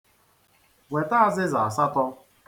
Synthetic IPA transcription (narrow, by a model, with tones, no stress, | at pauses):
we˨ta˦a˨zɪ˦za˨a˨sa˦tɔ˦